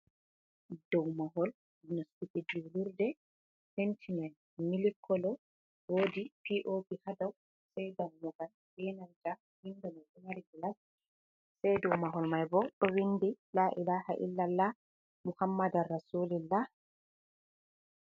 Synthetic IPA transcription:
dɔwmaɦɔl | inɔstikid͡ʒiluɾdɛ | hentʰinɛn | milikʰːɔlɔ | woːdipiʔopihadaw | sɛjdawmɔɡal | bɛnanta | hindɔnɔʔunaɾiɡilas | sajdɔwmaɦɔlmajbɔɗɔwindilaʔḭlaha̰ʔḭlːalːa | muhamːadarːasulilːa

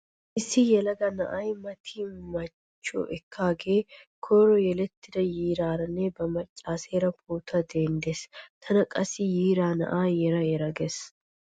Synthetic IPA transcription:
ʔɪsːɪjɛlɐɡɐnɐʔɐjmɐt̪ʰimɐ | t͡ʃːo̰ʔɛkʰːaːɡeːkʰoːɾɔjɛlɛt̪ːɪd̪ɐjiːɾaːɾɐnːebɐmɐt͡ʃʼːaːseːɾɐpʰuːt̪ʰɐd̪eːnd̪est̪ʰɐnɐkʼɐsɪjiːɾaːnɐ̰ʔaːjɛɾɐjɛɾɐɡes

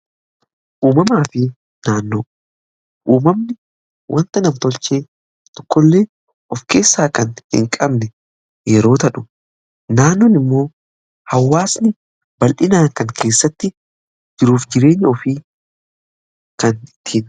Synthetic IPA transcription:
ʔuːmɐmaːfɪ | naːnːoː | ʔuːmɐmnɪ | wʔɐnt̪ɐnɐmt̪ɔlt͡ʃeː | t̪ɔ̥kːɔlːe̞ː | ʔɔfke̞ːsːaːkɐnhɪ̰ŋkʼɐbnɛ | jɛɾo̞ːt̪ɐᶑʊ̥ | naːnːɔnɪmːo̞ː | hɐwːaːsnɪ | bɐlʔɪnaːŋkɐŋkʰe̞ːsːɐt̪ːɪ | d͡ʒɪɾuːfd͡ʒɪɾe̞ːɲːɐɔfiː | kɐnɪt̪ʰːiːn

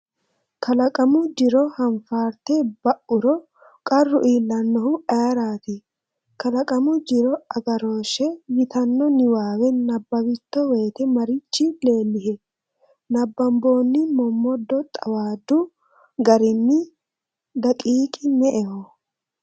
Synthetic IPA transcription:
kʰɐlɐkʼɐmʊd͡ʒɪɾɔhɐnfaːɾt̪ebɐʔʊɾɔ | kʼɐrːʊʔiːlːɐnːɔhʊʔɐɾaːt̪ɪ | kɐlɐkʼɐmʊd͡ʒɪɾɔɐɡɐɾo̞ːʃɛjɪt̪ɐnːɔnɪwaːwɛnɐbːɐwɪt̪ːɔwe̞ːt̪ɛmɐɾɪt͡ʃːɪle̞ːlːɪɦɛ | nɐbːɐmbo̞ːnːɪmɔmːɔd̪ːɔt̪ʼɐwaːd̪ʊ | ɡɐɾɪnːɪ | d̪ɐkʼiːkʼɪnɛʔɛhɔ

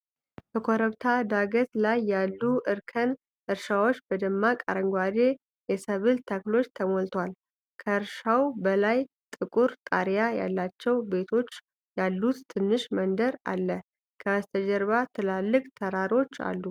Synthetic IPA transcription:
bəkʰoɾəβt̪ʰad̪aɡət̪lajːalːuʔɨɾkʰən | ʔɨɾʃawo̞t͡ʃːb̥əd̪əmːakʼa̰ɾəŋɡwad̪e̞ | jɛsəβɨlt̪ʰəklo̞t͡ʃːt̪ʰəmolt̪ʰwal | kʰəɨɾʃawbəlaj | t̪ʼɨkʼuɾt̪ʼaɾjaja̰lːat͡ʃːɛwbe̞t̪ʰo̞t͡ʃː | jalːut̪ːʰɨnːɨʃmənd̪əɾa̰lːə | kʰəast̪ʰəd͡ʒɛɾβat̪ʰɨlalːɨkʼt̪ʰəɾaɾo̞t͡ʃːa̰lːu

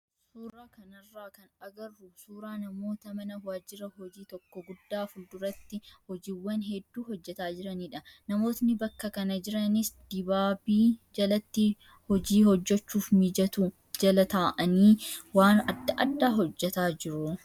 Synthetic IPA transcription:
suːɾaːkɐnɐrːaːkɐnɐɡɐrːusuːɾaːnɐmo̞ːt̪ɐmɐnɐwaːd͡ʒɪɾɐhɔd͡ʒiːt̪ɔkːɔɡʊd̪ːaːfʊld̪ʊɾɐt̪ːɪhɔd͡ʒiːwːɐnɦɛd̪ːuːhɔd͡ʒːɛt̪aːd͡ʒɪɾɐniːᶑɐnɐmo̞ːt̪nɪbɐkːɐkɐnɐd͡ʒɪɾɐnɪsd̪̥ɪbaːbiːd͡ʒɐlɐt̪ːɪ | hɔd͡ʒiːhɔd͡ʒːɛt͡ʃːuːfmɪd͡ʒɐt̪u | d͡ʒɐlɐt̪aːʔɐniːwaːnɐd̪ːɐʔɐd̪ːaːɦɔd͡ʒːɛt̪aːd͡ʒɪɾʊ

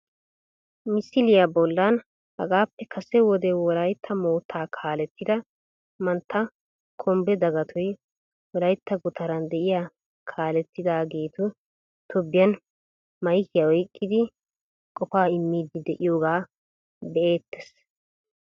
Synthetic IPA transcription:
mɪsɪlɪjɐbɔlːan | hɐ̰ɡaːpːɛkʰɐsɛwɔd̪ɛwɔlɐjt̪ʰːɐmo̞ːt̪ʰːaːkʰaːlɛt̪ːɪd̪ɐ | mɐnt̪ʰːɐ | kʰɔmbɛd̪ɐɡɐt̪ʰɔj | wɔlɐjt̪ːɐɡʊt̪ʰɐɾɐnd̪ɛʔɪja | kʰaːlɛt̪ːɪd̪aːɡe̞ːt̪ʊ | t̪ɔbːɪjɐn | mɐjkɪjɐwɔjɪkʼːɪd̪ɪ | kʼɔfaːɪmːiːd̪ɪd̪ɛʔɪjoːɡaː | bɛʔe̞ːt̪ːɛ̥s

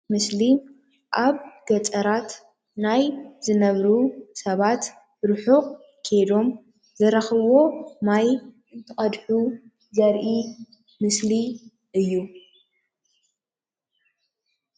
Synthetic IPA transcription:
mɨsli | ʔaβɡɐt͡sʼɐɾat̪ | najzɨnɐβɾusɐβat̪ | ɾɨħuʔʼ | kʰed̪o̞m | zɐɾɐxβo̞maj | ɨnt̪ʰɨχʼɐd̪ħu | zɐɾʔi | mɨsli | ʔɨjːu

